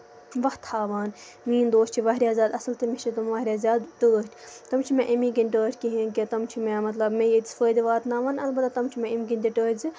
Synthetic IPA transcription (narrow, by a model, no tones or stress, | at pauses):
ʋɐht̪ʰːaːʋaːn | mĩːnd̪oːst͡ʃʰiʋaːɦɾʲjaːzʲaːd̪ɐsɐlt̪ɨmit͡ʃʰit̪ɐmʋɐːɾʲjaːzʲaːd̪t̪əːsʈʰʲt̪ɐmt͡ʃʰimẽʔɐmĩːkinʲʈəːʈʲkiɦĩnkit̪ɐmt͡ʃʰimẽmɐt̪lɐbmẽjesfəːd̪iʋaːt̪naːʋaːnɐlbɐt̪ːat̪ɐmt͡ʃʰimẽimɡinʲd̪ʲiʈəːzɨ